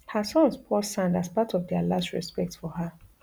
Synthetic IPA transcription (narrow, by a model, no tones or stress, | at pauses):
həsɔ̃nspʰɔsãndaspatʰɔvdɛalastɹɛ̰spɛk̚tfɔɦə